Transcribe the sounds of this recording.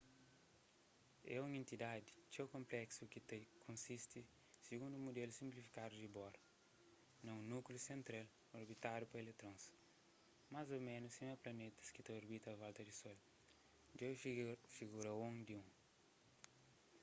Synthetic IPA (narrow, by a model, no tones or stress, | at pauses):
ɛũŋẽnt̪id̪ad̪it͡ʃewkõmplɛksukit̪ekʰõnsist̪i | siɡũnd̪umud̪elusĩmplifi̥kad̪udibɔɾɐ | nɐ̃ũnuklusẽnt̪ɾel | oɾbit̪aɾjupɐelet̪ɾõns | mazomẽnusẽwɐplɐnet̪ɐ̥skit̪ɐoɾbit̪ɐːvalt̪ɐd̪isɔl | d͡ʒewfiɡuɾɐõŋd̪iũŋ